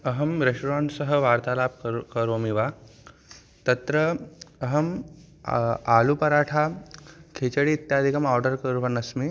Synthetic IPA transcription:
ɐɦɐmɾeʂʈɾãːnʈsɐɦɐʋaːɾt̪aːlaːb̚kɐɾoːmiʋa | t̪ɐt̪ɾɐɐɦɐm | aːlupɐɾaːʈʰakʰet͡ʃɐɽiːt̪jaːd̪ʱikɐmaːɾɖɐɾkɐɾuʋɐnɐsmi

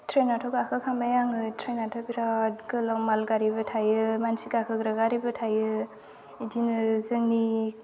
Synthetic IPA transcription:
tʰɾenatʰɔɡakʰɯkʰamajaŋɯtʰɾenatʰɔbiɾadɡɯlamalɡaɾibɯtʰajɯmansiɡakʰɯɡɾaɡaɾibɯtʰajɯ | idinɯzɯŋni

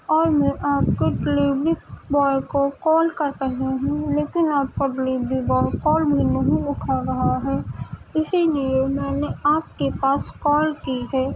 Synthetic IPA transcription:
ɔːɾmɛ̃ʔaːpkeɖeliːʋɾibɔːjkokɔːlkɐɾt̪əɦeɦũleːkɪnaːp̚koɖeliːbɾibɔːjkɔːlbʱinəɦĩʊʈʰaɾɐɦaɦɛːɪsiliemɛ̃ːneaːp̚kepaːskɔːlkiɦɛː

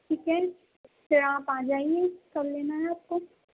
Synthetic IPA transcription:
ʈʰiːkɛ | tɪɾãːpaːd͡ʒaːiɛkɐbleːnaɦɛaːp̚ko

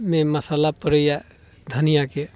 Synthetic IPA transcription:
mẽməsalapəɾəjɛ | d̪ʱənijake

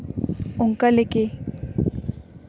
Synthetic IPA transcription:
uŋkaleke

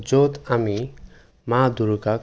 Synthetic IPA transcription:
d͡zot̪ami | mad̪uɾuka

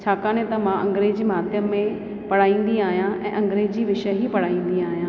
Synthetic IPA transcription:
t͡ɕʰaːkãːnẽt̪ɐmãʔɐ̃ŋɡɾeːd͡ʑimaːt̪jəẽ | pɐɽ̤aːĩːnd̪iaːɦijãʔɛ̰̃ːʔɐ̃ŋɡɾeːd͡ʑiːʋɪʃəɦipɐɽ̤aːĩːn̆d̪iaːɦijãː

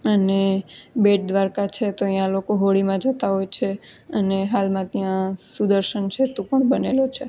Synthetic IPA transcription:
ənebeʈ̚d̪ʋaɾkat͡ʃʰet̪oijãlokoɦoɭimãd͡ʒət̪aɦojt͡ʃʰeəneɦalmãt̪ijãsud̪əɾʃənt͡ʃʰet̪ũpəɳbənelot͡ʃʰe

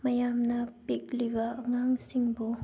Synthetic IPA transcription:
mɐjamnapik̚liβaŋaŋsiŋbo

